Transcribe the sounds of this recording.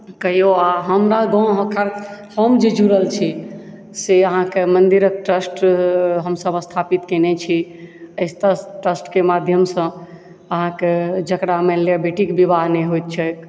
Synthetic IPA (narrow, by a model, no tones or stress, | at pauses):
kəɦjoaɦəmɾaɡɔ̃ɦəkʰəɾhɔmd͡ʒed͡ʒuɾəlt͡ʃʰi | seəɦãkemənd̪iɾək̚ʈɾəsʈɦəmsəbəst̪ʰapit̪kenet͡ʃʰiəɪst̪əʈɾəsʈkemad̪ʱjəmsə̃ | əɦãked͡ʒəkɽameljabeʈikbibʱaɦneɦojt̪̚t͡ʃʰək